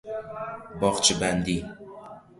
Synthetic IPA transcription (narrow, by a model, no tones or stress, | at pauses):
bɒʁt͡ʃʰɪband̪i